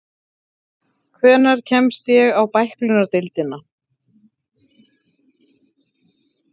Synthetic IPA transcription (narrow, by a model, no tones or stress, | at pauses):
kʰvɛːnaɾ̥cʰɛmst̪jɛɣawpajhklʏnaɾt̪ɪlt̪ɪna